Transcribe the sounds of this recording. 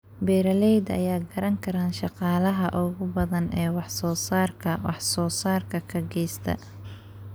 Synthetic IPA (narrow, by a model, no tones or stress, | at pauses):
bɛːɾɐlɛjd̪ɐ̰jaːɡɐɾɐŋkʰɐɾaːnʃɑqɑːlɐɦɐʔʊɣʊbɐðɐnɛːwɑħsɔːsaːrkʰɐwɑħsɔːsaːrkʰɐkʰɐɡɛjst̪ʰɐ̰